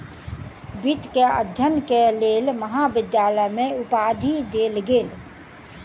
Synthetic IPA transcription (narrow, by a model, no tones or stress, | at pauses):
bit̪keə̰d̪ʱjənkeleːlməɦaːbɪd̪jaːləjmẽʊpaːd̪ʱid̪eːlɡeːl